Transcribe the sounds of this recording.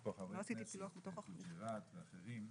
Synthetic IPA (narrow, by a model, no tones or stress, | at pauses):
paχavloasit̪iiluaχbet̪o̞χaχniʁat̪veaχeʁim